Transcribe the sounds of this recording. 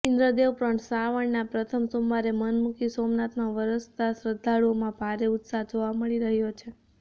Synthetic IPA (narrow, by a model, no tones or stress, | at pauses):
ɪ̃nd̪ɾəd̪eʋpɾəɳsaʋəɳnapɾət̪ʰəmsomʋaɾemənmukisomnat̪nãʋəɾəst̪asɾəd̪ʱːaɭuomãbʱaɾeʊt̪saɦd͡ʒoʋaməɭiɾəɦjot͡ʃʰe